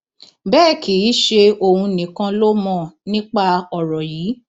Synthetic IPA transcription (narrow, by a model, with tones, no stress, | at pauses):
bɛː˦˨kʰi˨˦ʃe˧o˧hũ˧nĩ˨˦kã˧lo˦mɔ̃˦˨nĩ˦k͡pa˦˨ɔ˨ɾɔ˨jiː˨˦